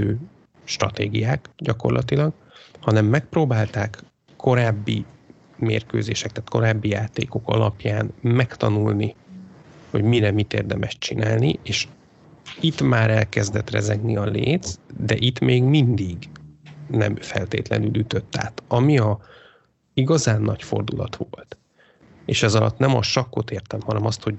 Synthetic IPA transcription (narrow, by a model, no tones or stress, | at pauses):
øː | ʃt̪rɒt̪ḛːɡijaːkɟɒko̞̰rlʔɒt̪ilɒɡ | hɒnɛmːɛk̚proːbaːlt̪aːkːʰ | o̞ɾaːbːi | meːrkø̰ːzeːʃɛk̚t̪aːt̪ko̞ɾaːbːijaːt̪ḛːko̞kɒ̰lɒpjaːnmɛkt̪ɒnulni | ho̞ɟmiɾɛmit̪ḛːrd̪ɛmɛʃt͡ʃinaːlniʔeːʃ | it̪maːɾɛlkɛzd̪ɛt̪rɛ̰zɛɡniɒleːt̪t͡sd̪ɛ̰ʔit̪meːɡmind̪iɡ | nɛ̰mfɛ̰lt̪ḛːt̪lɛ̰nylyt̪ø̞t̪ːa̰ːt̪ɒmiɒ | iɡɒzaːnːɒcfo̞̰rd̪ulɒt̪ʋo̞̰lt̪ | eːʃɛzɒlɒt̪nɛmɒʃɒkːo̞t̪eːrt̪ɛmhɒnɛmɒst̪ho̞ɟ